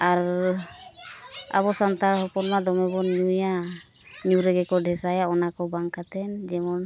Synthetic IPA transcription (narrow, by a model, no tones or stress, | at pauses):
aɾ | a̰βɔsant̪aɾhɔpɔnmad̪ɔmɛbɔnuja | ɲuɾɛɡɛkɔɖʱɛsajaɔnakɔbaŋkat̪ɛnd͡ʒɛmɔn